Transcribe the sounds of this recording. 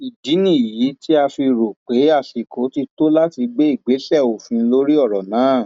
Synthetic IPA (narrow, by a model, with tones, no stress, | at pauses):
i˨di˨˦nĩ˦˨ji˨˦ti˦a˧fi˧ɾo˨k͡pe˨˦a˦˨si˨kʰo˨˦ti˧to˦la˦ti˧ɡ͡be˦i˦˨ɡ͡be˨˦sɛ˦˨o˨fĩ˧lo˦ɾi˦ɔ˦˨ɾɔ˨nãː˨˦˨